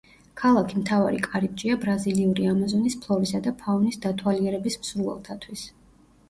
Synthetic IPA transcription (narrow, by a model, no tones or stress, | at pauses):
kʰalˠakʰimt̪ʰavaɾikʼaɾib̚d͡ʒiabɾaziliuɾiamazɔnispʰlˠɔɾisad̪apʰaunisd̪at̪ʰwaliɛɾɛbismsɾuvɛ̰lˠt̪ʰat̪ʰwis